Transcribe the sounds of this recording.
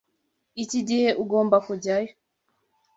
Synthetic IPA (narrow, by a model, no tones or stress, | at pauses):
iciɟiheʔuɡoːmbakuɟajo